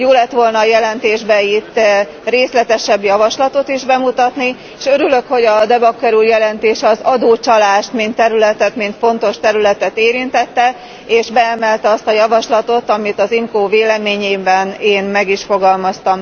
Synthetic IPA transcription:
joːlɛt̪ʋo̞lnɒːjɛlɛnt̪eːʒbɛit̪ː | reːslɛt̪ɛʃɛbːjɒvɒʃlɒt̪o̞t̪iʒbɛmut̪ɒt̪ni | eʃøɾylø̞kho̞ɟɒd̪ɛbɒkːɛɾuːjɛlɛnt̪eːʃɛɒzɒd̪oːt͡ʃɒlaːʃt̪mint̪ːɛɾylɛt̪ɛt̪mint̪fo̞nt̪o̞ʃt̪ɛɾylɛt̪ɛt̪eːɾint̪ɛt̪ːɛ | eːʒbɛɛmɛlt̪ɛɒst̪ɒjɒvɒʃlɒt̪o̞t̪ɒmit̪ɒzimkoːveːlɛmeːɲeːbɛneːnmɛɡiʃfo̞ɡɒlmɒst̪ɒm

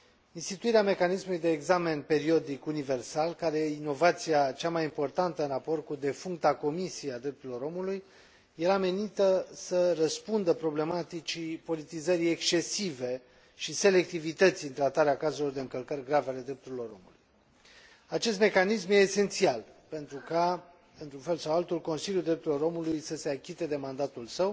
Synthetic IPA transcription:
inst̪it̪uiɾeame̞kanismulujd̪e̞ːɡzame̞npe̞ɾio̞d̪ikunive̞rsalkaɾejeino̞vat̪siat͡ʃamajimpo̞rt̪ant̪əɨnrapo̞rt̪̚kud̪e̞fuŋk̚t̪ako̞misiead̪ɾe̞p̚t̪uɾilo̞ɾo̞mulujː | e̞ɾame̞nit̪əsərəspund̪əpɾo̞ble̞mat̪it͡ʃipo̞lit̪izəɾije̞kst͡ʃe̞sive̞ | ʃise̞le̞k̚t̪ivit̪ət̪sʲiɨnt̪ɾat̪aɾeakazulo̞rd̪e̞ɨŋkəlkərʲɡɾaveale̞d̪ɾe̞p̚t̪uɾilo̞ɾo̞̰mulṵj | at͡ʃe̞s̬t̪me̞kanismje̞ːse̞nt̪sialpe̞nt̪ɾuka | ɨnt̪ɾunfe̞lsawalt̪ulko̞nsiljuld̪ɾep̚t̪uɾilo̞ɾo̞mulujsəse̞akʲit̪e̞d̪e̞mand̪at̪ulsəw

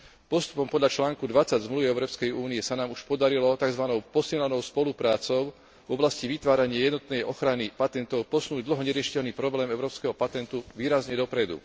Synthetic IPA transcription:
pɔst̪u̥pɔmpɔd̪ʎat͡ʃlaːŋkud̪ʋat͡saɟzmluʋiɛʊɾɔːpskɛjuːniɛsanaːmuʃpɔd̪aɾilɔt̪aɡzʋanɔʊpɔsilɲanɔʊspɔlupɾaːt͡sɔʊ | vɔblasciʋit̪ʋaːɾaɲɪajɛd̪nɔt̪nɛjʔɔxɾanipat̪ɛnt̪ɔʊpɔsnuːɟd̪l̩ɦɔɲɛɾɪɛʃi̥cɛʎniːpɾɔblɛːmɛʊɾɔːpskɛɦɔpat̪ɛnt̪uʋiːɾazɲɛd̪ɔpɾɛd̪ṵ

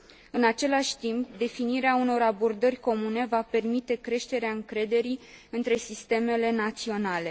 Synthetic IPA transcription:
ɨnat͡ʃe̞laʃʲt̪impd̪e̞finiɾeauno̞ɾabo̞rd̪ərʲko̞mune̞vape̞rmit̪e̞kɾe̞ʃt̪e̞ɾeaɨŋkɾe̞d̪e̞ɾiɨnt̪ɾe̞sist̪e̞me̞le̞nat̪sio̞nale̞

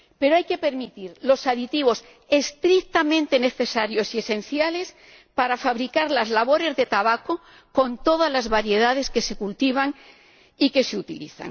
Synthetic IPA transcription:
pe̞ɾoajke̞pe̞ɾmit̪iɾlo̞saðit̪iβ̞o̞s | e̞st̪ɾik̚t̪amẽnt̪e̞ne̞θe̞saɾjo̞sie̞sẽ̞nθjale̞s | paɾafaβɾikaɾlazlaβo̞ɾe̞zðet̪aβako | ko̞nt̪o̞ð̞azlazβaɾje̞ðað̞e̞ske̞se̞kult̪iβ̞aŋ | ike̞seut̪ilḭθa̰ŋ

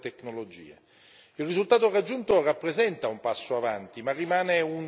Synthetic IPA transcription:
t̪ekːnolod͡ʒḭːe | ilrizult̪aːt̪orad͡ʒːunt̪orapːɾezɛnt̪aumpasːoavant̪imarːimaːneun

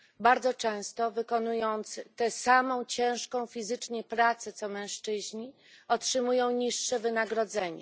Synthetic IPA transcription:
baɾd̪zɔt͡ʂɛ̃w̃st̪ɔvɘkɔnujɔnt̪st̪ɛsamɔ̃w̃t͡ɕɛ̃w̃ʂkɔ̃w̃fʲizɘt͡ʂɲɛpɾat̪sɛt̪sɔmɛ̃w̃ʂt͡ʂɘʑɲi | ɔtʂɘmujɔ̃w̃ɲiʂːɛvɘnaɡɾɔd̪zɛɲɛ̰

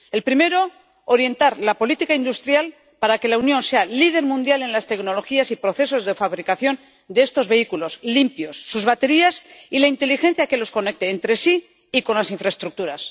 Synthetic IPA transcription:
e̞lpɾime̞ɾo̞ː | ɾje̞nt̪aɾlapo̞lit̪ikaind̪ust̪ɾjal | paɾake̞launjõ̞nse̞alið̞e̞ɾmũnd̪jale̞nlast̪e̞kno̞lo̞xiasipɾo̞θe̞so̞zðe̞faβɾikaθjo̞n | d̪eest̪o̞zβe̞ikulo̞slimpjo̞sːuzβat̪e̞ɾiasilaint̪e̞lixẽ̞n̟θjake̞lo̞sko̞ne̞k̚t̪eːnt̪ɾe̞siː | ko̞nlasiɱfɾaest̪ɾuk̚t̪uɾas

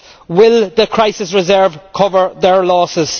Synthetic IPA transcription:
wɪlˠðəkʰɹ̥aɪsɪsɹɪzɜːv̥kʰʊvə˞ðə˞lɔːsɪz̥

